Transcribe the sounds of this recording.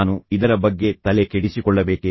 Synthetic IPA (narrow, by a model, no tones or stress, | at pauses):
nuid̪ɐɾɐbɐɡːe̞t̪ɐlekeɽisikɔɭːɐbeːke